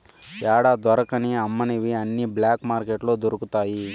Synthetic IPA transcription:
aːɽaːd̪ɔɾɐkɐniɐmːɐneʋiɐnːiblaːkmaːɾkeʈlud̪oɾukut̪aːji

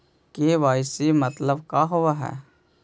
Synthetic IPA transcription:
keʋaːɪsimət̪ləbkaːɦʊʋaɦɛ̰ː

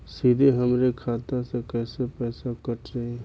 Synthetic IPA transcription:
sid̪ʱeɦəmɾekʰaːt̪asekɛːsepɛːsakəʈʰɾeɦe

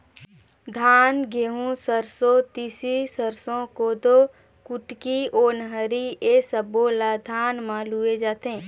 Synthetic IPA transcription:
d̪ʱaːnɡeɦũsəɾsot̪iːsisəɾsõkod̪o | kʊʈkioːnɦəɾiesəboːlad̪ʱaːnmãːlued͡ʒaːt̪ɦẽː

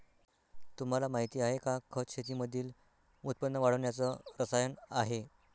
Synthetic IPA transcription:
t̪um̤alamaɦit̪iːaɦekakʰəɕʰet̪̬iːməd̪ʱiːl | ut̪̚pənːəʋaɽ̤əʋɳjat͡səɾəsajənaɦe

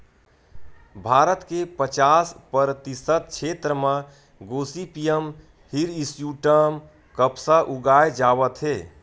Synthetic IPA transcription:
bʱaːɾət̪kepət͡ʃaːspəɾət̪isət̪̚kt͡ʃʰet̪ɾəmã | ɡoːsipijəm | hiɾisjuʈəm | kəpsaʔuɡajd͡ʒaːʋət̪ɦeː

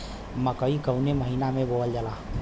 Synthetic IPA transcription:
məkəikəwneməɦinamẽboəld͡ʒəla

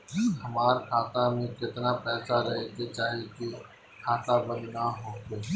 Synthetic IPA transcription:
hɐmaːɾkʰaːt̪amẽkɪt̪napɛːsaɾɐɦeket͡ʃaːɦeki | kʰaːt̪abɐnnaɦoːke

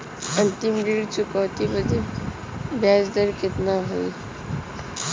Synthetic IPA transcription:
ənt̪imɾiɽt͡ʃʊkɔːt̪ibəd̪i | bjaːd͡ʒd̪əɾkɪt̪naɦoi

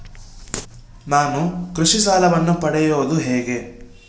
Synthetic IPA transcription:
naːnukɾuʂisaːlɐʋɐnːupɐɽɛjoːd̪uɦɛːɡe̞

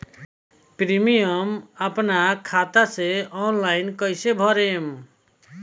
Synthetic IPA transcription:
pɾimijəməpnakʰat̪aseɔnlainkəjsebʱɔɾem

